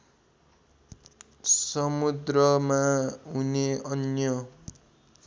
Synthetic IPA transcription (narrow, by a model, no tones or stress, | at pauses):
sʌmud̪rʌmaɦuneʌnjʌ